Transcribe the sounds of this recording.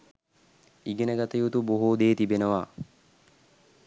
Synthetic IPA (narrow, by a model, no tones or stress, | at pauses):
iɡenəɡat̪əjut̪uboɦud̪eːt̪ibenəʋa